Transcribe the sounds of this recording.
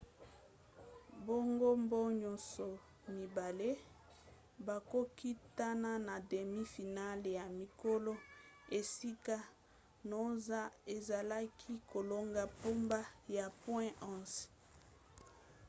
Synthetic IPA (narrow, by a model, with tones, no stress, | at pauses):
bo˦ŋɡo˦mbo˦ɲo˨so˨ | mi˨ba˨le˦ | ba˨ko˦ki˦ta˦na˦na˨de˨mi˦fi˨na˦lja˨mi˨ko˦lo˦e˨si˦ka˦ | no˨za˦e˨za˨la˦kʰi˦ko˨lo˦ŋɡa˦po˦mba˦ja˨pwɛ̃˦ʔɔ̃˦˨s